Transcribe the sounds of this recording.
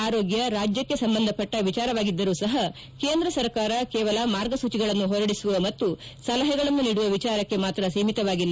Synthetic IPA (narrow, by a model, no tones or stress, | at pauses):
aːɾoːɡjɐɾaːd͡ʒjɐkːe̞sɐmbɐnd̪ʱɐpɐʈːɐʋit͡ʃaːɾɐʋaːɡid̪ːɐɾuːsɐɦɐ | ke̞ːnd̪ɾɐsɐɾkaːɾɐkɛːʋɐlɐmaːɾɡɐsuːt͡ʃiɡɐɭɐnːuɦɔɾɐɽisuʋɐmɐt̪ːusɐlɐɦɛɡɐɭɐnːuniːɽuʋɐʋit͡ʃaːɾɐkːe̞maːt̪ɾɐsiːmit̪ɐʋaːɡilːɐ